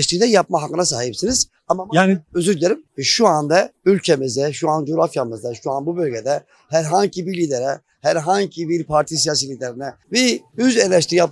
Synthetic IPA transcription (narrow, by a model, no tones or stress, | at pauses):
ʃt̪iɾd̪ɛjapmaɦakːɯnasaːɦipsinɯz̥ | amamøzyɾlʲeɾimvɛʃuand̪aylʲcʰemizd̪ɛʃuand͡ʒoɾafjamɯzd̪aʃuanbubølʲɟed̪ɛ | hæɾɦaɲcibilʲid̪eɾɛ | hæɾɦaɲcʰibiɾpʰaɾt̪ʰis̬ijasilʲid̪eɾinɛvɛyzeɾlʲɛʃ̬t̪ʰiɾijap